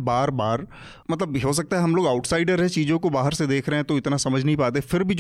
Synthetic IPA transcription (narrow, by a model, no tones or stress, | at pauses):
baːɾbaːɾ | mɐt̪ləbiɦos̬ɐk̚t̪aɦɛɦɐmloːɡaʊʈsaːɪɖəɾɦɛ̃t͡ʃiːd͡ʒõkobaːɦəɾsed̪eːkʰɾɐɦɛ̃t̪oɪt̪nasɐməd͡ʒʱnɐɦĩpaːt̪efɪɾbʱid͡ʒ